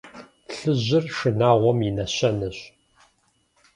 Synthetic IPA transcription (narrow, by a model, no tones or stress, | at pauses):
ɬɨʑɪrʂɨnaːʁʷɔminɐɕɐnɨɕ